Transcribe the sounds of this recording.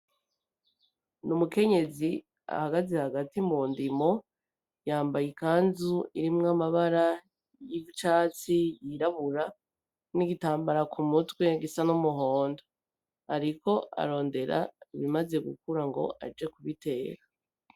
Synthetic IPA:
numuke̞ɲe̞zi | a̰haɡazehaɡatimuːndimo̞ | jaːmbajikaːnzuiɾimŋamaβaɾa | jivut͡ʃaːt͡sijiɾaβuɾa | niɡitaːmbaɾakʰumutwe̞ɡisanumuɦo̞ːndo | aɾiko̞ʔa̰ɾo̞ːnde̞ɾa̰iβimaze̞ɡṵkuɾaŋɡo̞̰ʔa̰d͡ʒe̞kuβite̞ːɾa

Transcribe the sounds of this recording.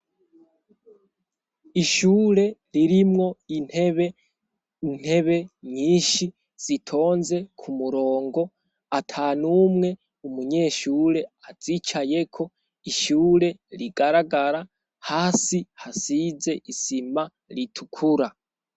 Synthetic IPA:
iʃuːɾe̞ɾiɾimŋo̞βe | n̥he̞βe̞ɲiːnʃi | z̥itʰo̞ːnze̞kʰumuɾo̞ːŋɡo̞ | atʰanumŋe̞ | umuɲe̞ːʃuːɾe̞az̥it͡ʃaje̞kʰo̞ | iʃuːɾe̞ɾiɡaɾaɡaɾa | haːsihasize̞ʔisima | ɾitʰukʰuɾa

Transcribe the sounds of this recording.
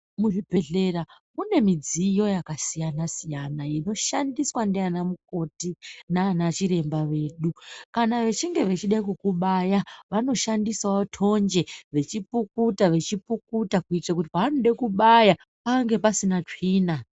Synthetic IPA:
muribʱe̞ɮe̞ra | mune̞mid͡zijo̞jakasijanasijanaino̞ʃandiswandianamuko̞tinanat͡ʃiɾe̞mbaʋe̞ːɗukanaʋe̞t͡ʃiŋɡe̞ʋe̞t͡ʃiɗaikukuɓajaʋano̞ʃandiswaotʰo̞nd͡ʒe̞ʋe̞t͡ʃipukutaʋe̞t͡ʃipukutakuit͡ʂak̬ut̬ipaanoɗekuɓaja | paŋɡe̞pasinat͡ʂiːna

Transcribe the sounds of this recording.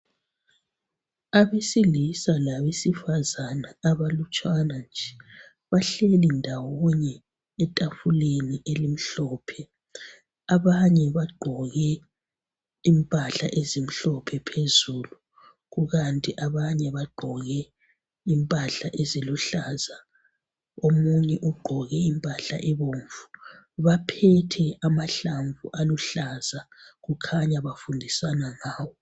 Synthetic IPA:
aβesilisalaβesifazanaːβalut͡ʃʼwanand͡ʒʱɛ | βaɬelindʱawuɲɛː | tʼafuleniʔelim̩ɬɔːpʰɛ | aβaɲɛβaɡ͡ǃʱɔɣɛ | impʼaɬa̰ʔezim̩ɬɔpʰɛpʰezuːlu | ɣuɣantʼiʔaβaɲɛβaɡ͡ǃʱɔɣɛ | impʼaɬaʔeziluɬaza | omuɲɛʔuɡ͡ǃʱɔɣɛimpʼaɬa̰ʔɛβoɱvu | βapʰɛtʰɛamaɬaɱvuʔaluɬazaɣukʰaɲaβafundʱisanaŋaːwɔ

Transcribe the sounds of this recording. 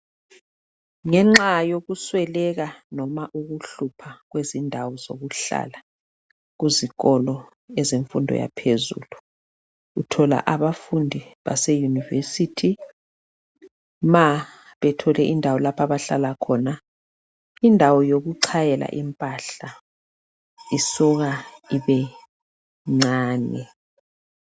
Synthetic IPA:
ŋɛŋ͡ǁajoɣuswɛlɛɣanɔmaʔuɣuɬupʰaɣwezindʱawɔzo̰ɣuɬa̰ːla | ɣuziɣɔlɔ | ɛzeɱfundʱɔ̰ja̰pʰezṵːlu | ɣutʰɔla̰ʔaβafundʱiβa̰sɛjunivesitʰi | ma | βɛtʰɔlɛʔindʱawɔlapʰaβaɬalakʰɔna | indʱawɔjoɣuǀʰajɛla̰ʔimpʼaɬa | isɔɣaiβɛ | ŋ͡ǀaːnɛ

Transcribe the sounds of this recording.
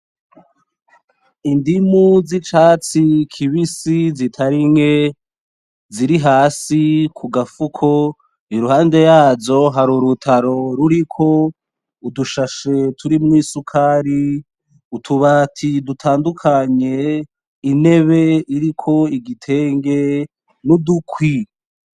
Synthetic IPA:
indimuzit͡ʃaːt͡sikʰiβisizitʰaɾiŋe̞ | ziɾiɦaːsikʰuɡafukʰo̞ | iɾuhaːnde̞jaːzo̞ɦaɾuɾutʰaɾo̞ɾuɾikʰo̞ | uduʃaʃe̞tʰuɾimŋwiːsukʰaːɾi | utʰuβatʰidutʰaːndukʰaɲe̞ | ine̞βe̞iɾikʰo̞iɡitʰe̞ːŋɡe̞ | nudukʰwi

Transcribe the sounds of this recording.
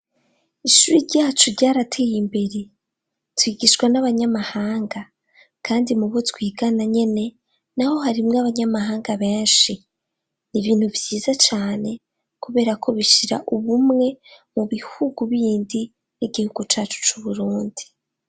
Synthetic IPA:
iʃuɾiɾɟaːt͡ʃuɾɟaːɾatʰejimbe̞ɾe | twiːɡiʃwanaβaɲamahaːŋɡa | kʰaːndimuβotwiːɡanaɲe̞ne̞ | naho̞ɦaɾimŋaβaɲamaɦaːŋɡaβe̞ːnʃi | niβiːn̥huvjiːzat͡ʃaːne̞ | kuβe̞ːɾakʰo̞βiʃiɾa̰ʔuβumŋe̞ | muβihuɡuβiːndi | niɡihuɡut͡ʃaːt͡ʃu̥t͡ʃuβuɾuːndi

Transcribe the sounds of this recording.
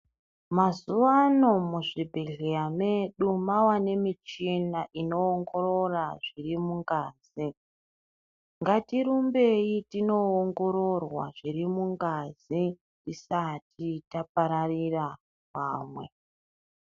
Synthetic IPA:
mazuʋano̞muʐibʱeɮejame̞ɗumawane̞mit͡ʃinaʔino̞ːŋɡo̞ɾo̞raʐirimuŋɡaːzi | ŋɡatiɾumbe̞jitino̞oŋɡo̞ɾo̞rwa̰ʐirimuŋɡazi | tisatʰitap̚aɾarira | paːmwe̞

